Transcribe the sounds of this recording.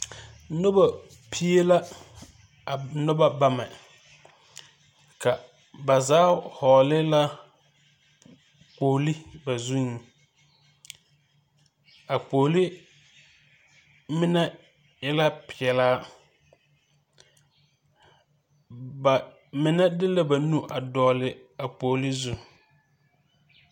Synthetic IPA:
nʊ˦ba˨ | pʰi˦e˦la˦˨ | nʊ˦ba˦˨ba˦mɛ˨ | ka˨ | ba˨zaː˨˦hɔː˨lɪ˦la˦ | k͡po˨li˦ba˨zu˦ŋ˨ | a˨k͡poː˨li˦ | mɪ˦nɛ˦ | jɛ˦la˦pɪ˨ɛ˨laː˦ | ba˨ | mɪ˨nɛ˦dɪ˦la˦ba˨nu˦ʔa˨dɔː˨lɪ˨a˨k͡poː˨lɪ˦zu˦

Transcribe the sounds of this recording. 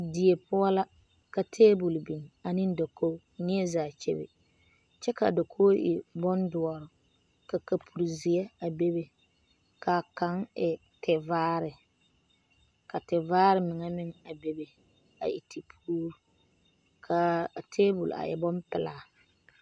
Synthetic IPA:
di˨e˨pʊ˦a˦la˦ | ka˨tʰeː˦bu˨lbi˨ŋa˨nɪ˦n˦da˨ko˦nɪ˦ɛ˦zaː˨t͡ʃɛ̰˦bɪ̰˨ | t͡ʃɛ˦ka˨da˨kʰo˦ʔɪ̰˨bɔ˦ndʊ˨ɔ˨ɾʊ˨ | ka˨ka˨pʰu˨ɾzɪ˨ɛ˦a˨be˦be˦ | ka˨ka˦ŋɛ˨ | tʰɪ˨vaː˦ɾɪ˨ | ka˨tɪ˨vaː˦ɾɪ˨mɪ˨ŋa˦mɪ˦ŋa˨be˦be˨ | a̰˨ʔɪ˨tʰi˨pʰuː˦ɾu˦ | kʰa˨tʰeː˦bu˨la̰˨ʔɛ̰˨bɔ˦mpɪ˨laː˨

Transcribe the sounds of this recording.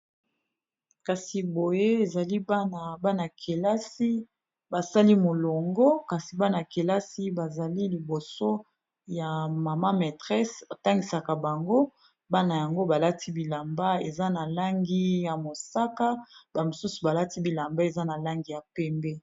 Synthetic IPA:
ka˨si˨bo˨je˦e˨za˨li˦ba˦na˨ba˦na˨kʰe˨la˦si˦ | ba˨sa˦li˦mo˨lo˨ŋɡɔ˦ka˨si˨ba˦na˨ke˨la˦si˦ba˨za˨li˦li˨bo˨so˦ | ja˨ma˨ma˦me˨tʁɛ˦so˨ta˦ŋɡi˨sa˨ka˨ba˨ŋɡo˦ | ba˦na˨ja˨ŋɡo˦ba˨la˦ti˦bi˨la˨mba˦e˨za˦na˨la˦ŋɡi˦ja˨mo˨sa˦ka˦ba˨mo˨su˦su˨ba˨la˦ti˦bi˨la˨mba˦e˨za˦na˨la˦ŋɡi˨ja˨pɛ˦mbɛ˦

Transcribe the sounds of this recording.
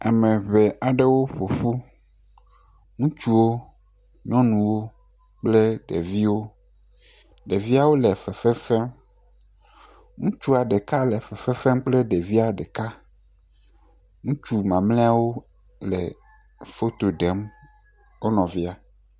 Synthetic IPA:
a˨mẽ˨βɛ˨a˨ɖe˦wo˦ɸo˨ɸu˦ | ŋũ˦t͡ʃu˦wo˦ | ɲɔ̃˦nũ˨wo˦ | k͡ple˦ɖḛ˨vi˦wo˦ | ɖe˨vi˦a˦wo˦lɛ˨fɛ˨fɛ˦fɛ˦m | ŋũ˦t͡ʃu˦a˨ɖɛ˨ka˦lɛ˨fɛ˨fɛ˦fɛ˦mk͡plɛ˦ɖe˨vi˦a˨ɖɛ˨ka˦ | ŋũ˦t͡ʃu˦mã˨mlẽ˦a˦wo˦ | lɛ̰˨ | fo˦t̪o˨ɖe˨˦m | wo˦nɔ̃˨vi˦a˦

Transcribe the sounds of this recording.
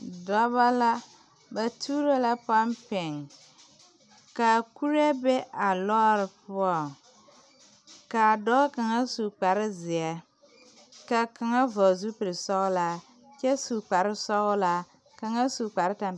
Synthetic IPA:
dɔ˦βa˦la˦ | ba˨tʰuː˦ɾo˦la˦pa˦mpɪ˨ŋ | ka˨ku˦ɾe˦bɛ˦ʔa˨lɔ˦ɾɪ˨pʊ˦ɔ˨ | ka˨dɔ˦ka˨ŋa˦su˨k͡pa˨ɾɪ˦zɪ˨ɛ˦ | ka˨ka˨ŋa˦vɔ˨zu˦pɪ˨ɾɪ˨sɔ˦ɣʊ˦la˦ | t͡ʃɛ˦su˨k͡pa˨ɾɪ˦sɔ˦ɣʊ˦la˦ | ka˨ŋa˦su˨k͡pa˨ɾɪ˦ta˨m

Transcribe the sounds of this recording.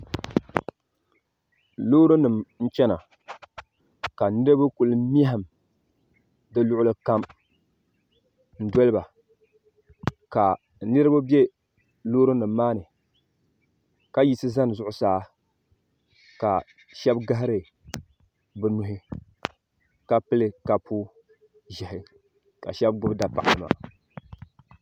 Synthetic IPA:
loː˦ɾo˦nɨ˨mn̩˦t͡ʃɛ˦na̰˨ | ka˨nɨ˦ɾɨ˦bɨ˦ku˨lɨ˦mi˦ɛ˦ɦa˨m | dɨ˦lʊ˦ʔʊ˦lɨ˦ka˦m | n̩˦dɔ˦lɨ˦ba˨ | ka˨ | nɨ˦ɾɨ˦bo˦bje˦ | loː˦ɾɨ˦nɨ˨mːaː˦nɨ˨ | ka˦ji˦sɨ˦za˦n˨zʊ˦ʔʊ˦saː˦ | ka˨ | ʃɛ˦bɡa˦ɦa˦ɾɨ˨ | bɨ˨nʊ˨ɦɪ˦ | ka˦pɨ˦lɨ˦ka˨pʰu˦ | ʒɛ˨ɦɪ˦ | ka̰˨ʃɛ˦bɡʊ˦bda˨pa˨ʔa˨lɨ˨ma̰˨

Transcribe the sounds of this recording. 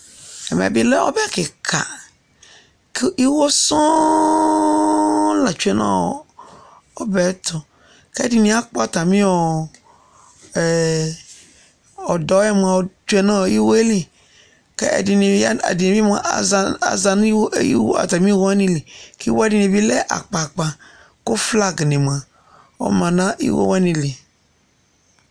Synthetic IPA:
ɛ̰˨mĩ˨a̰˨bi˦lɛ˦ɔ̰˦bɛ˦˨kɪ˨kʰa̰˨ | ki˦wo˦sɔ̃˦ | la˨t͡ʃu˦ɛ˦nã̰ː˦ɔ̰˨ | ɔ˦bɛ˨˦t̪ɔ˨ | kɛ˦ɛ˦di˨nĩ˦a˦k͡pɔ˦a˨t̪a˨mĩ˦ɔ˨ | ɔ˨dɔ˨˦ɛ˦m˨ã˨t͡ʃu˦ɛ˧nã˦˨ji˦wo˦e˦li˨ | kɛ̰˦ɛ̰˨di˧ni˨˦a̰˨di˨nĩ˨bi˦ma̰˨˧a̰˨za˧n˦i˦wo̰˦a̰˨ta˨mĩ˦wɔ˦ɛ˦nĩ˧li˨ki˦wo˦ɛ˦di˨nĩ˨bi˦lɛ˦ʔa̰˨k͡pa˨k͡pa˨ | ko˦fla˦ɡnĩ˨m˨ã˨ | ɔ̰˦mã˨nã˦ʔḭ˦wo̰˦wɛ˦nĩ˧li˨

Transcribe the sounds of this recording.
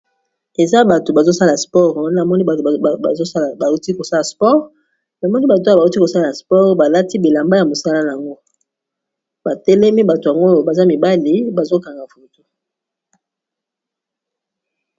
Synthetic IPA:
e˨za˦ba˨to˨ba˨zo˦sa˦la˨spɔ˦ʁwa˦n˦˨mɔ˦ni˦˨a˨zo˦˨ba˨u˦ti˦ko˨sa˦la˨spɔ˦ʁ | na˨mɔ˦ni˦ba˨t̬o˨˦˨a˨u˦ti˦ko˨sa˦la˨spɔ˦ʁba˨la˦ti˦bi˨la˨mba˦ja˨mo˨sa˦la˦na˨a˨ŋɡo˦ | ba˨tɛ˦lɛ˦mi˦ba˨to˨ja˨ŋɡo˦˨ba˨za˦mi˨ba˦li˨˦ba˨zo˦ka˨ŋɡa˨fo˨to˦

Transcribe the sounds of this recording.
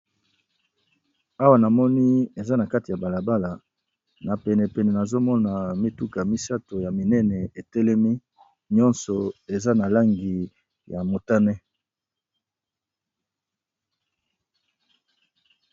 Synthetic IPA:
a˦wa˨na˨mɔ˦ni˦e˨za˦na˨ka˦ti˨ja˨ba˨la˨ba˦la˨ | na˨pɛ˨nɛ˨pɛ˨nɛ˨na˨zo˦mɔ˦na˨mi˦tu˦ka˨mi˦sa˦to˨ja˨mi˨nɛ˦nɛ˨e˨tɛ˦lɛ˦mi˦ | ɲɔ˦nsɔ˨e˨za˦na˨la˦ŋɡi˨ | ja˨mo˨ta˦nɛ˦

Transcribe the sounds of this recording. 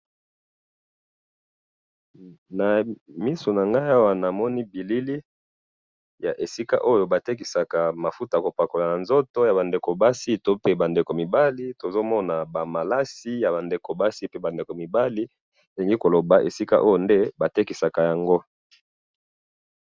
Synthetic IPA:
na˨mi˦so˨na˨ŋɡa˦ja˦wa˨na˨mɔ˦ni˦bi˨li˦li˦ | ja˨ʔe˨si˦ka̰˦ʔo˦jo˨ba˨te˦ki˨sa˨ka˨ma˨fu˦ta˨ko˨pa˨ko˨la˨na˨nzo˦to˦ja˨βa˨nde˨ko˨ba˦si˦to˦pe˦ba˨nde˨ko˨mi˨ba˦li˦to˨zo˦mɔ˦na˨ba˨ma˨la˦si˦ja˨βa˨nde˨ko˨ba˦si˦pe˦ba˨nde˨ko˨mi˨ba˦li˦ | e˨li˨ŋɡi˦ko˨lo˨ba˨ʔe˨si˦ka̰˦ʔo˦jo˨nde˦ba˨te˦ki˨sa˨ka˨ja˨ŋɡo˦

